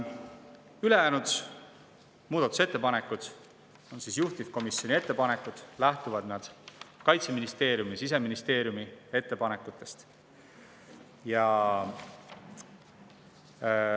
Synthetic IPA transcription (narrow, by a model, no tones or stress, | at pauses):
yle̞jæːnut̪us | muːd̪ɑt̪ːˑu̥se̞t̪ːe̞pɑne̞kːˑud̪̥ | onsisjuht̪ifko̞misjo̞nie̞t̪ːe̞pɑne̞kud̪̥læht̪uvɑd̪̥nɑd̪̥kɑjt̪se̞minist̪e̞ːɾjumisis̬e̞minist̪e̞ːɾjumie̞t̪ːe̞pɑne̞kːˑut̪ˑːe̞st̪ | jɑ